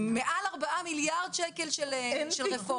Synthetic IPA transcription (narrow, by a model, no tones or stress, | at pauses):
meʔalaʁbaʔamiljaʁd̪ʃekelʃelʃelʁefo